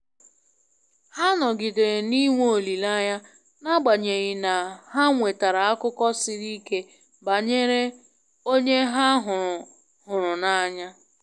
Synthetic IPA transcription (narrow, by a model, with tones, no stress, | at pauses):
ha˦nɔ˨ɡɪ˨de˨ni˦ŋʷ˦o˨li˨la˦ɲa˦ | na˦ɡ͡ba˨ɲe˨ɣɪ˨na˨ɦa˦ŋʷe˨ta˨ɾa˨a˦kʊ˦kɔ˦sɪ˦ɾi˦ke˦ | ba˨ɲe˦ɾe˦ | o˦ɲe˦ɦa˦ɦʊ˨ʊ˨ | ɦʊ˨ɾʊ˨na˦ɲa˦